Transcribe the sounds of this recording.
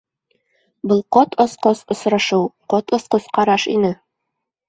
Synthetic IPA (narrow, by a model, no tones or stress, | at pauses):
bɤlˠqot̪osqosŏsɾɑʃɤwqot̪ŏsqosqɑɾɑʃinɘ